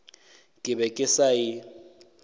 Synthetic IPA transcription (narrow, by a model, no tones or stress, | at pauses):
kʼɪbɛkʼɪsaɪ